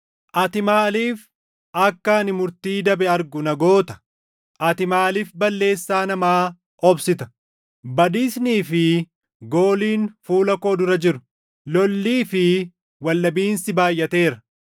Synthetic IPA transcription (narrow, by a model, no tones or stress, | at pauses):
ʔɐt̪ɪmaːliːf | ɐkːɐnɪmʊɾt̪iːd̪ɐbɛɐɾɡʊnɐɡo̞ːt̪ɐ̥ | ʔɐt̪ɪmaːliːfbɐlːe̞ːsːaːnɐmaː | ɔbsɪt̪ɐ̥ | bɐd̪iːsniːfɪ | ɡo̞ːliːnfuːlɐkoːd̪ʊɾɐd͡ʒɪɾʊ̥ | lɔlːiːfɪ | wɐlːɐbiːnsɪbaːjːɐt̪e̞ːɾɐ